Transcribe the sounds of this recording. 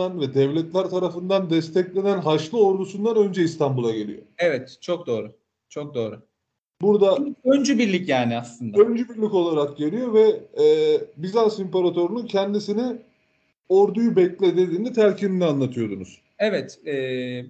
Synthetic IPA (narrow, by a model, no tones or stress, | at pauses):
anvɛd̪ɛvlʲɛt̪lʲæɾt̪ʰaɾafɯnd̪and̪ɛst̪ʰɛclʲe̞nænɦaʃlˠɯo̞ɾd̪usund̪anø̞nd͡ʒɛist̪ʰambulˠaɟe̞lʲḭjo̰ɛvɛt̪t͡ʃʰok̚d̪o̞ːɾʊ | t͡ʃʰo̞k̚d̪o̞ːɾʊ | buɾd̪aiønd͡ʒybiɾlʲicjaːniaslˠɯnd̪aønd͡ʒybiɾlʲico̞lˠaɾakɟe̞lʲijo̞vɛ | bizansimpaɾat̪ʰo̞ɾununcʰɛnd̪isini | oɾd̪ujubɛclʲɛd̪e̞d̪iːnd̪it̪ʰæɾcʰiind̪ɛanlːˠat̪ʰɯjo̞d̪unuz̥ | ɛvɛt̪ɛː